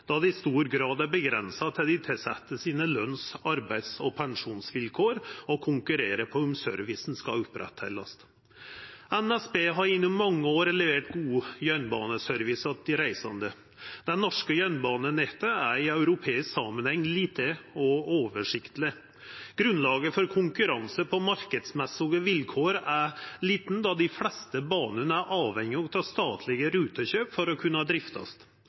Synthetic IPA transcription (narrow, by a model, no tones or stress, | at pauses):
d̪̥ɑd̪ɛɪst̪uːɾɡɾɑːd̪æɾbəɡɾɛnsɑt̪ʰɪld̪ɪt̪ʰɪlsɛ̰t̪ːəsiːnəlœnsɑɾbæɪd̪sɔpʰæŋʂuːnsʋɪlkʰoːɾɔkʰʊŋkʉɾeːɾəpʰɔmsœ̰ɾʋɪsn̩skɑʉpɾʔɛ̰t̪hḛlːəs | ænæsbeːɦɑɾɪnːʊmːɑŋːəoːɾɛləʋeːʈɡuːəjœnbɑ̰ːnəsœɾʋɪsɑd̪ɪɾæɪsɑnd̪ə | d̪ɛnnɔʂkəjœnbɑːnənɛt̪əæɾɪœʉɾʊpʰeːɪsksɑ̰ːmənhɛŋːliːt̪əɔoːʋəʂɪkt̪lɪ | ɡ̥ɾʉnlɑːɡəfɔɾkʰʊŋkʉɾɑnsəpʰɔmɑɾkəd̪smɛsɪɡəʋɪlkʰoːɾæɾliːt̪n̩d̪ɑd̪ɪflɛst̪əbɑːnənəæɾʔɑːʋhɛŋːɪɔt̪ʰɑːst̪ɑːt̪ʰlɪɡəɾʉːt̪əɕøːpfɔɾɔkʰʉnːɑd̪ɾɪft̪ɑ̰st̪